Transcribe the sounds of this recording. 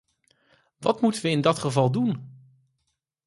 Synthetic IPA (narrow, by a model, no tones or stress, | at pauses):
ʋɑtmutənʋəɪndɑtχəvɑlˠdun